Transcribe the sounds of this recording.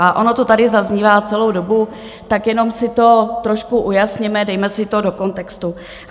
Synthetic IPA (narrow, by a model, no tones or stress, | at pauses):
aʔo̞no̞t̪ot̪adɪzazɲiːvaːt͡sɛlo̞wdo̞bu | t̪akjɛno̞msɪt̪o̞t̪ɾo̞ʃkuʔujasɲɛmɛdɛjmɛsɪt̪odo̞ko̞nt̪ɛkst̪u